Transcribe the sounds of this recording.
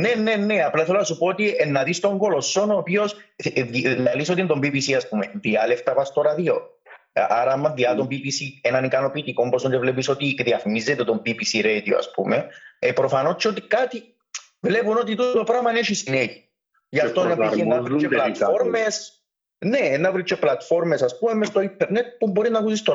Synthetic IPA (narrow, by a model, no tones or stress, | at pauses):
nenːenːeaplaθelonasupoot̪ienːɐðist̪oŋɡolosːonoːpio̞sðiðɐlisot̪int̪ombibisiɐspumeðialeft̪ɐpɐst̪oɾaðio | ʔaɾɐɐmːɐðiɐt̪ombibisienɐnikɐno̞piːt̪iko̞mbosond̪evlepiso̞t̪ikðiɐfmizːet̪et̪ombibisiɾejt̪ioɐ̰spṵmeepɾofanot͡ʃʰːeot̪ikat̪i | vlepunot̪̬it̪ut̪opɾamaneʃisineʝi | jaft̪onːaiiennavɾit͡ʃːeplat̪foɾmes | neːnːavɾit͡ʃːeplat̪foɾmesaspumemːest̪o̞int̪ʰeɾnet̪̚pumboɾiznakusist̪o